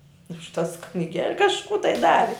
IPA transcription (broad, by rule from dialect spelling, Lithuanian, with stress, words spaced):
ʊʃ tɐs knʲɪˈɡʲɛlʲ kɐʃˈkuː tɐɪ ˈdɑːʋʲɪ